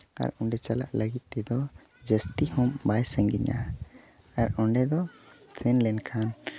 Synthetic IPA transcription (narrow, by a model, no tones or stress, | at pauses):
a̰ɾɔɳɖɛt͡ʃala̰ʔləɡit̪̚ˀt̪ɛd̪ɔ | d͡ʒəst̪ihɔmbajsəŋɡiɲa̰ | aɾɔɳɖɛd̪ɔ | t̪ʰɛnlɛnkʰan